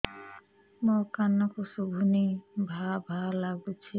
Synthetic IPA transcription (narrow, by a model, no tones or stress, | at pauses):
mɔkanɔkosubʱunebʱabʱalːaɡut͡ʃʰi